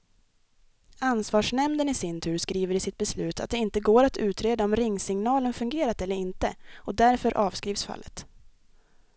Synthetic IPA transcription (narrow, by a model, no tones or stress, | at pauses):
ansvɑːʂɳɛmd̪ənɪsɪnt̪ʰʉ̟ːɾskɾiːvəɾɪsɪt̪̚bɛslʉ̟ːt̪ʰa̰t̪̚d̪ɛɪnt̪əɡoːɾat̪ʰʉ̟ːt̪ɾeːd̪aɔmɾɪŋːsɪŋnɑːlənfɵŋɡeːɾat̪ɛlːəɾɪnt̪əɔd̪æɾfœɾʔɑːvskɾiːvsfa̰lːət̪